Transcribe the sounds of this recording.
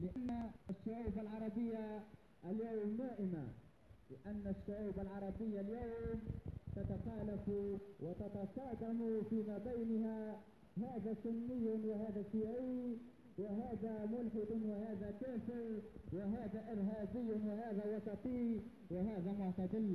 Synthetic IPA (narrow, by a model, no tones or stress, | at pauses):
lɪʔanːaaʃːaʕuːbalʕɑɾˤɑbɪjːa | ʔaljawmnaːʔɪma̰ | lɪʔanːaʃːaʕaːbalʕɑɾˤɑbɪjːaljawmt̪at̪axaːlafwʔɪt̪ɑt̪ɑsˤɑːd̪amʊfiːmaːbajnha | haːðaːsʊnːɪjːwɪhaːðasɪjʕi | wɪɦaːðamʊlħɪd̪ʊnwɪhaːðakaːfɪɾwɪɦaːðaʔɪɾɦaːbɪjːʊnwɪhaːðawɑsˤɑt̪ˤiː | wɪhaːðamʊʕt̪ad̪ɪl